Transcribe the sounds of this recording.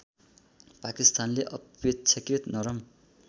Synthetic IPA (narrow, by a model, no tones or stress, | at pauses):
pakist̪anleʔʌpet͡sʰakrit̪nʌɾʌm